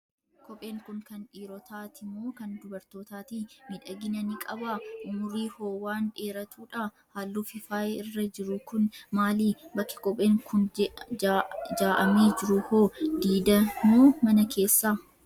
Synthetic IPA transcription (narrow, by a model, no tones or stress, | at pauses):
kʰɔpʼe̞ːŋkʊŋkɐnᶑiːɾɔt̪aːt̪ɪmːoːkɐnd̪ʊbɐɾt̪oːt̪aːt̪imɪᶑɐɡɪnɐnɪkʼɐbaʊmʊɾiːhoːwaːnᶑeːɾɐt̪uːᶑa | haːlːuːfɪfaːjeɪrːɐd͡ʒɪɾʊkʊnmaːliːbɐkːɪ̥kɔpʼeːŋkʊn | d͡ʒaːʔɐmeːd͡ʒɪɾʊhoːd̪iːd̪ɐmoːmɐnɐkʰe̞ːsːaː